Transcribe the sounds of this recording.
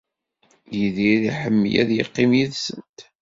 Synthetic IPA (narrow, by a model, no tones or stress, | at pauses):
jiðiðiħəmːjæ̰ðjə̰qːimjiðsənt̪